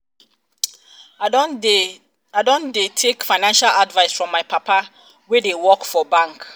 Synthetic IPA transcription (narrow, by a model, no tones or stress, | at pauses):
adõndetʰekfaɪnãnʃaladvaɪsfɹɔ̃mːaɪpʰapʰa | wedewɔkfɔbãŋk